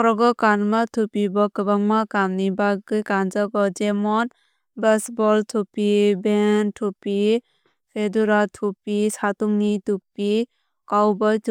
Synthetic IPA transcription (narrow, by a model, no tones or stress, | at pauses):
ɔɾɔɡɔkanmat̪ʰupibɔkəbaŋmakamnibaɡɯjkanzaɡɔd͡ʒɛmɔn | bəsbɔlt̪ʰupibentʰupi | pʰeduɾatʰupisat̪uŋnit̪upi | kawbɔjt̪ʰ